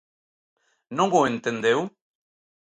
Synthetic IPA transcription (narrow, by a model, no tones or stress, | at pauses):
noŋɡoent̪end̪ew